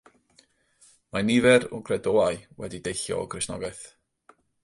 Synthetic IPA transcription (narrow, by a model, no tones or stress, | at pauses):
manivɛɾʊɡrɛdoːaɨwɛ̰didejɬjɔ̰ɔɡrɪsnɔ̰ɡaɨθ